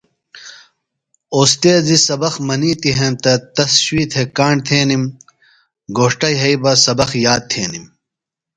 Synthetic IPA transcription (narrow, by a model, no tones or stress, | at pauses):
oːst̪eːzisɐbɐxmɐniːt̪iɦẽːnt̪ɐt̪ɐsɕwiːt̪ʰekaːɳ̚t̪ʰeːnim | ɡoːʂʈɐjɦɐibɐsɐbɐxjaːd̪̚t̪ʰeːnim